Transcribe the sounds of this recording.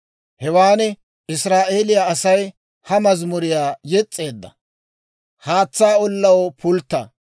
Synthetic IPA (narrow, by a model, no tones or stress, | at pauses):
hɛwaːnɛ | ɪsɾaːʔe̞ːlɪjaːɐsɐj | hɐmɐzmʊɾɪjaːjɛt͡sʼːe̞ːd̪ːɐ | haːt͡sːaːɔlːɐwɔpʰʊlt̪ːɐ̰